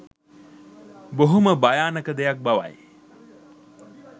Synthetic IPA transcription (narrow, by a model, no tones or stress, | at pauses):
boɦuməbajaːnəkəd̪ejak̚baʋa̰j